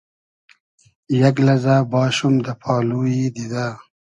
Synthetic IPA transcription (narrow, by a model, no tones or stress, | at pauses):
jɐɡlɐzabɑːʃumd̪əpʰɑːluːid̪id̪a